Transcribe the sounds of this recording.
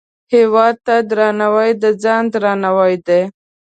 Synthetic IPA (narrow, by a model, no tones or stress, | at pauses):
hewɑd̪̚t̪ad̪ɾɑnawəjd̪əd͡zɑnd̪ɾɑnawəjd̪e